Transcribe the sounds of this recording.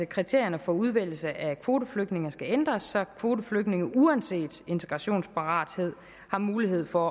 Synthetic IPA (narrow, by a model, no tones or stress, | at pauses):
əkʰʁit͡sʰe̝ɐ̰jɐnəfɒ̽uð̞ˠʋel̰l̩səʔækʰʋo̝ːdəfløɡ̥̚ne̝ŋɐsɡ̥æend̥ʁɐsːɒ̽kʰʋo̝ːdəfløɡ̥̚ne̝ŋəʔuænse̝̰ːd̥e̝nt͡sʰe̥ɡ̥ʁɑɕo̝̰ːnspʰɑ̈ʁɑ̰̈ːd̥he̝ð̞̰ˠ | hɑ̈muːliɦe̝ð̞̰ˠfɒ̽